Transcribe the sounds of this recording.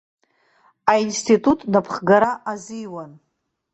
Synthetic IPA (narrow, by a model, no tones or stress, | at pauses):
ainstʰitʼutʼnapʰχɡaɾaʔazijwan